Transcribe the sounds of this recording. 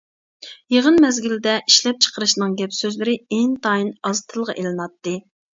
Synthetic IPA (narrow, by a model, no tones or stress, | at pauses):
jeʁənmɛzɡʲild̪ɛʔiʃlɛp̚t͡ʃʰə̥qəɾɨʃnɨŋɡʲɛpsøzlɪɾɪent̪ʰɑːjinɑzt̪ʰɨlˠʁɑʔelɨnɑt̪ːɨ